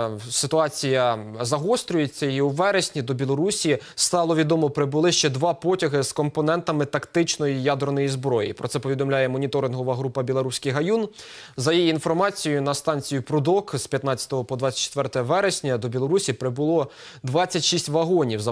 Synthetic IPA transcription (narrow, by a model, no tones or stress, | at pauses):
sɪt̪ʊɑt͡sʲijɐzɐɦɔst̪ɾʲʊjet͡sʲːɐiuʋɛɾesʲnʲid̪ɔbʲilˠɔɾusʲist̪ɑlˠɔʋʲid̪ɔmɔpɾɪbʊlˠɪʃt͡ʃɛd̪ʋɑpɔtʲɐɦɪskɔmpɔnɛnt̪ɐmɪt̪ɐkt̪ɪt͡ʃnɔjijɑd̪ɾnɔjizbɾɔjḭpɾɔ̰tsɛpɔʋʲid̪ɔmlʲajɛmɔnʲit̪ɔɾɪnɦɔʋɐɦɾupɐbʲilˠɔɾusʲkɪjɦɐjunzɐjijiinfɔrmɑt͡sʲijʊnɐst̪ɑnʲt͡sʲijʊpɾʊd̪ɔkspʲjɐt̪nɑt͡sʲɐ̥t̪ɔɦɔpɔd̪ʋɑt͡sʲɐtt͡ʃe̥t̪ʋɛrt̪ɛɛʋɛɾesʲnʲɐd̪ɔbʲilˠɔɾusʲipɾɪbʊlˠɔ | d̪ʋɑt͡sʲːɐtʲʃisʲtʲʋɐɦɔnʲiwzɐ